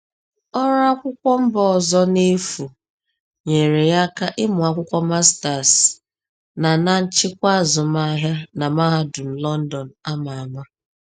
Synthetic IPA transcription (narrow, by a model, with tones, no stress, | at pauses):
ɔ˦ɾa˦kʷʊ˦kʷɔ˦m̩˦bɔ˦˨zɔ˦ne˦fu˨ | ɲe˨ɾe˨ja˦ka˦ʔɪ˦mʊ˨a˦kʷʊ˦kʷɔ˦ma˦sta˨s | na˨na˦n̩˦t͡ʃɪ˦kʷa˦˨zʊ˨ma˦ɦja˦na˨ma˦ɦa˦dʊ˨n̩˨lɔ˦n̩˦dɔ˨n̩˨a˦ma˨a˨ma˦